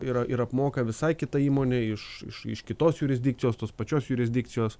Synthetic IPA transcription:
ɪɾɐɪɾɐpmoːkɐʋʲɪsɐɪkʲɪt̪ɐiːmoːnʲeːɪʃɪ̰ʃɪ̰ʃkʲɪt̪oːsjʊɾʲɪzʲdʲɪk̚tsʲɪjoːst̪oːspɐt͡ʃʲoːsjʊɾʲɪzʲd̪ʲɪk̪sʲɪjoːs

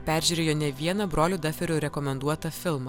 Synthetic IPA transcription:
pʲæˑɾʲʒʲyːɾʲeːjoːnʲɛʋʲiɛnɐbɾoːlʲuːd̪ɐfʲɛɾʲʊɾʲɛkɔmʲɛnd̪uɔt̪ɐfʲɪlˠmɐ

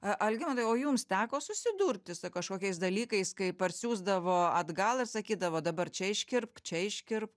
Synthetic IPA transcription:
ɐʔɐlʲɡʲɪmɐt̪ɐɪoːjuːmst̪ʲæːkoːsʊsʲɪd̪uːɾʲt̪ʲɪsʊkɐʃkoːkʲɛɪsd̪ɐlʲiːkɐɪskɐɪpɐrʲsʲuːzd̪ɐʋoːɐd̪ɡɐlˠɪrsɐkʲiːd̪ɐʋoːd̪ɐbɐrt͡ʃʲɛɪʃʲkʲɪrp̚t͡ʃʲɛɪʃʲkʲɪrp

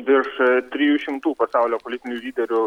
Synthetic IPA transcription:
d̪ʲɪɾʃt̪ʲɾʲijuːʃʲɪmt̪uːpɐsɑˑʊlʲoːpolʲɪt̪ʲɪnʲulʲiːd̪ʲɛɾʲʊ

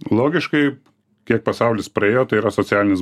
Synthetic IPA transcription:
lˠoːɡʲɪʃkɐɪ | kʲiɛk̚pɐsɐʊlʲɪspɾɐeːjoːt̪ɐɪiɾɐsoːt͡s̪ʲæːlʲɪnʲɪs

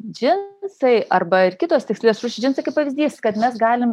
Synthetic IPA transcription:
d͡ʒʲɪnsɐɪʔɐrbɐɪrkʲɪt̪oːst̪ʲɪksʲlʲlʲeːsɾuːʃʲɪd͡ʒʲɪnsɐɪkɐɪpɐʋʲɪzʲd̪ʲiːskɐt̪mʲɛsɡɑːlʲɪm

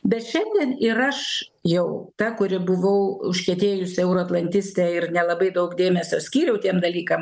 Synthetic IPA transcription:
bʲɛt̪ʃʲɛnʲd̪ʲiɛnɪɾɐʃ | jɛʊt̪ɐkʊɾʲɪbʊʋɐʊʊʃʲkʲɛt̪ʲeːjʊsʲɪɛʊɾoɐt̪lˠɐnʲt̪ʲɪsʲt̪ʲɛɪrnʲɛlˠɐbɐɪd̪ɐʊkd̪ʲeːmʲɛsʲoːsʲkʲiːɾʲɛʊt̪ʲiɛmd̪ɐlʲiːkɐm

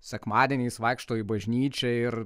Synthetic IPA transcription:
sʲɛkmɑːd̪ʲiɛnʲɛɪsʋɑɪkʃt̪oːjibɐʒʲnʲiːt͡ʃʲɛɪɾ

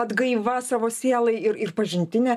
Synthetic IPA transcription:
ɐd̪ɡɐɪʋɐsɑːʋoːsʲeɛlˠɐɪɪɾɪrpɐʒʲɪnʲt̪ʲɪnʲɛ

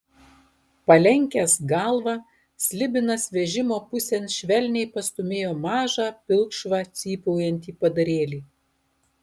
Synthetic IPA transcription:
pɐlʲɛŋʲkʲɛsɡɑlˠʋɑ | sʲlʲɪbʲɪnɐsʋʲɛʒʲɪmoːpʊsʲɛnʃʲʋʲɛlʲnʲɛɪpɐst̪ʊmʲeːjoːmɑːʒɑːpʲɪlˠkʃʋɑːt̪sʲiːpɔʊjɛnʲt̪ʲiːpɐd̪ɐɾʲeːlʲiː

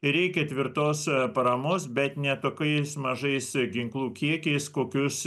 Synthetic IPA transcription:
ɪɾʲɛɪkʲɛt̪ʲʋʲɪɾt̪oːspɐɾɐmoːsbʲɛt̪nʲɛt̪oːkɐɪsmɐʒɐɪsɡʲɪŋklˠuːkʲiɛkʲɛɪskoːkʲʊs

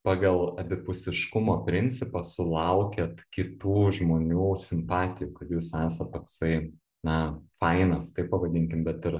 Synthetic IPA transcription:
pɑːɡɐlˠɐbʲɪpʊsʲɪʃkʊmoːpʲɾʲɪnʲt͡s̪ʲɪpɐsʊlˠɐʊkʲeːt̪kʲɪt̪uːʒmoːnʲuːsʲɪmpɑːt̪ʲɪjuːkɐt̪juːsæːsɐt̪tːoːksɐɪ | nɐfɐɪnɐst̪ɐɪppɐʋɐd̪ʲɪŋʲkʲɪmbʲɛt̪ɪɾ

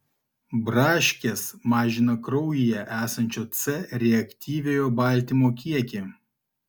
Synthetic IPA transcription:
bɾɑːʃʲkʲesmɑːʒʲɪnɐkɾɔʊjijɛʔæːsɐnʲt͡ʃʲoːt̪sʲɛɾʲɛɐkʲt̪ʲiːʋʲeːjoːbɐˑlʲˑt̪ʲiˑmoːkʲiɛkʲe

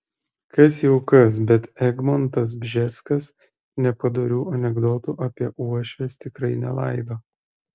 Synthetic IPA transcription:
kɐsjɛʊkɐs̬bʲɛt̪ɛɡmɔnt̪ɐs̬bʲʒʲɛsʲkɐs | nʲɛpɐd̪ɐɾʲuːʔɐnʲɛɡd̪ɔt̪uːʔɐpʲiɛʔuɔʃʲʋʲɛst̪ʲɪkɾɐɪnʲɛlˠɐɪd̪oː

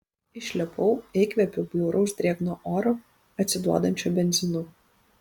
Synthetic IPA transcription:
ɪʃʲlʲɛpʰɔʊɛɪkʋʲɛpʲʊbʲjuːɾʔɐʊʒʲd̪ʲɾʲiɛɡnoːʔoːɾo | ɐt̪ʲsʲɪd̪uɔd̪ɐnʲt͡ʃʲobʲɛnʲzʲɪnʊ

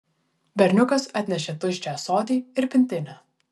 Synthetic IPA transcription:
bʲɛɾʲnʲʊkɐsɐt̪ʲnʲɛʃ̬ʲɛt̪ʊʃʲt͡ʃʲæːsoːd̪ʲiːɪɾpʲɪnʲt̪ʲɪnʲæː

